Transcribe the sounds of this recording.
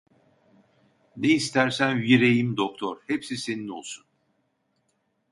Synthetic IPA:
neist̪ʰæɾsænviɾejimd̪ok̚t̪ʰoɾhepsise̞nino̞̰lˠsun

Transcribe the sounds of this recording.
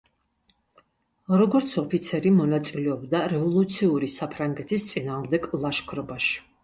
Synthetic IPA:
ɾɔɡɔɾt̪sʰɔpʰit̪sʰɛɾimɔnat̪sʼilɛɔbd̪aɾɛvɔlˠut̪sʰiuɾisapʰɾaŋɡɛt̪ʰist̪sʼinaːʁmd̪ɛɡlˠaʃkʰɾɔbaʃi̥

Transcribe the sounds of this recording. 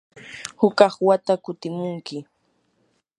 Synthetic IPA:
hʊkɑχwat̪akʊt̪ɪmʊŋkɪ

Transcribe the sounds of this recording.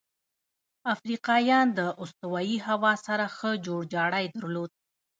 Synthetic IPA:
afɾiqɑjɑnd̪əʔʊst̪ʊwɑjiɦawɑsaɾaxəd͡ʒoɽd͡ʒɑɽajd̪əɾlod̪̚

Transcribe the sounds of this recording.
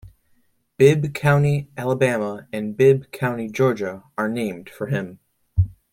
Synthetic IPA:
b̥ɪb̚kʰãʊ̃niʔælˠəbæməɨ̃nbɪb̚kʰãʊ̃ñid͡ʒɔɹd͡ʒɨə˞nẽɪ̃md̥fə˞ɪ̃m

